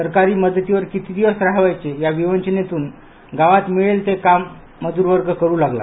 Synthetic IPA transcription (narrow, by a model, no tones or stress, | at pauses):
əɾkaɾiːməd̪ʱːət̪iʋəɾkit̪ʰiːd̪iʋəsɾaɦʋajt͡sejaʋiʋənt͡ɕənet̪uːn | ɡaʋat̪miɭelt̪ekamː | əd̪uːɾʋəɾɡəkəɾuːlaɡla̰